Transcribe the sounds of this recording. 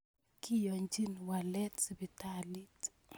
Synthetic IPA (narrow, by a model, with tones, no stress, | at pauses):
kɪ˦jɔ˨ɲd͡ʒi˦nwa˨lɛ˦tbi˨tali˦t